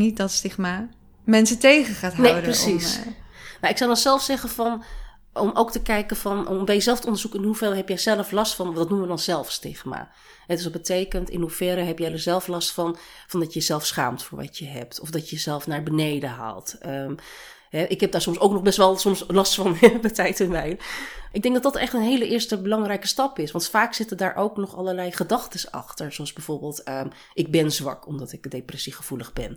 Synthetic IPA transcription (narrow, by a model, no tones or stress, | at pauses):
nit̚dɔtstɪxma | mɛnsətejɣəχaːtɦnedprəsis | maɹɪksɔwdɔnzɛlˠfsɛɣəfɔn | ɔmoːktəkɛjkəfɔnbɛjəzɛlˠftəɔndərzukɪnɦufɛlˠɦɛpjɛzɛlˠəflɔstfɔndɔtnuməʋədɔnz̥ɛlˠfstɪxma̰ | hɛdʏsɔt̚bətʰeːkəntɪ̰nhufɛɾəɦɛpjɛdəɹzɛlˠflɔstfɔnfɑndɑtjəzɛlˠfsχa̰ːmtfʊːɹʋɑ̰təɦɛp̚tʰɔfdɑtəjəzɛlˠfnaːɹbənejdəɦa̰ːlˠtəm | ɦɛʔɪkɦɛb̚daːɹsɔmsowknɔχbɛstʋɛlˠsɔmslɑstfɑnɛbətɛjtɪnʋɛjnʔɪk̚dɛŋɡ̚dɑtdɑtɛχtənɦejləʔɪːɹstəbəlɑŋrɛjkəstɑpɪsʋɑntfaːksɪtədaːɹʔowknɔχɑləɹlɛjχədɑχtəsɑ̰χtəɹsoɑlˠzbɛjv̥oːɹbɪːlˠtə | ʔɪɡ̚bɛnzʋɑ̰kɔmdɑtɪkdejprɛsiχəv̥uləχbɛn